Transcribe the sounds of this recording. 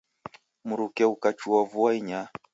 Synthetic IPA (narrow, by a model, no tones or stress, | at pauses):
muɾukɛukat͡ʃuavuaiɲa